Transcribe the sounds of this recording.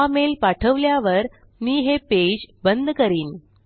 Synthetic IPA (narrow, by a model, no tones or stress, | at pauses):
amelpaʈʰəʋljaʋəɾ | miːɦeped͡ʑbənd̪ʱkəɾiːn